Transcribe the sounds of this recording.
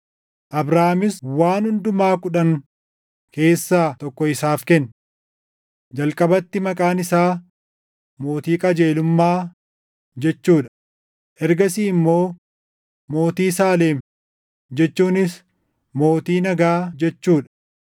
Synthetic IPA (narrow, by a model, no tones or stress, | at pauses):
ʔɐbɾaːmɪswaːnhʊnd̪ʊmaːkʊᶑɐŋ | ke̞ːsːaːt̪ɔkːɔɪsaːfkɛn | d͡ʒɐlkʼɐbɐt̪ːɪmɐkʼaːnɪsaː | mo̞ːt̪iːkʼɐd͡ʒe̞ːlʊmːaː | d͡ʒɛt͡ʃːuːᶑɐ̥ | ʔɛɾɡɐsiːɪmːo̞ː | mo̞ːt̪iːsaːleːm | d͡ʒɛt͡ʃːuːnɪs | mo̞ːt̪iːnɐɡaːd͡ʒɛt͡ʃːuːᶑɐ̥